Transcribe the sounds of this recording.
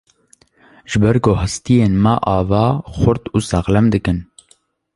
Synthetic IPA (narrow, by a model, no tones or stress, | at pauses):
ʒɨbɛɾkoːhɨst̪ijeːnmaʔɑːvɑːxʊɾt̪uːsɑɣlɛmd̪ɨkɨn